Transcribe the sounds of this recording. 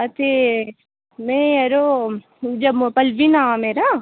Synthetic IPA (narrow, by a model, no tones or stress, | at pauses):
ɐt̪e | mɛ̃ɐɾo | d͡ʒɐmpɐlʋinameːɾa